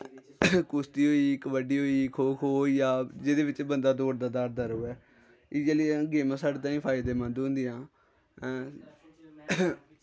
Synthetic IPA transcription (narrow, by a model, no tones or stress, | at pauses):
kʊst̪iːɦoːiːkəʋəɖiːɦoːikʰoːkʰoːjaːd͡ʒed̪eːʋɪt͡ʃbənd̪aːd̪oːɽd̪aːd̪aːɾd̪aːɾoːɛː | ɪd͡ʒelĩɡeːmãːsaːɽeːt̪ãːĩːpʰaːɪd̪eːmə̃nd̪ɦʊ̃nd̪ɪjãː